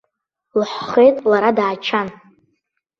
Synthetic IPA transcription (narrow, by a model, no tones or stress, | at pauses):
lħχe̞jtʼlaɾadaːt͡ʃʰan